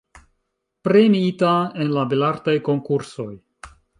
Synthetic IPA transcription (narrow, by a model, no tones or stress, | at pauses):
pɾe̞miitae̞nlabelaɾtajko̞ŋkuɾso̞j